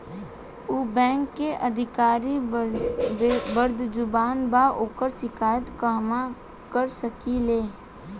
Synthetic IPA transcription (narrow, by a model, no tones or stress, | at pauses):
uːbɛ̃ːŋkːeʔəd̪ʱɪkaːɾi | bəɾd̪d͡ʒʊbaːnbaʔoːkəɾsɪkʰaːjət̪kəɦma | kəɾsəkileː